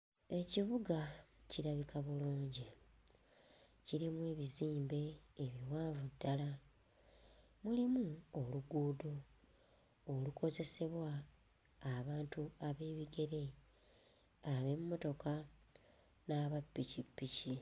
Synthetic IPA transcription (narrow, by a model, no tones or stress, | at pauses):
e̞ciβuɡaciɾaβikaβuluːɲɟi | ciɾimwe̞ːβiziːmbe̞ːβiwaːvudːala | mulimuoluɡuːdo | luko̞ze̞se̞βwaː | βaːntuaβe̞ːβiɡe̞ɾe̞ | aβe̞mːo̞to̞ka | naːβapːicipːici